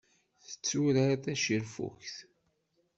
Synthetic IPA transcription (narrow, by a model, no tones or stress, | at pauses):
θə̥t͡sːuɾθæʃiɾfṵçθ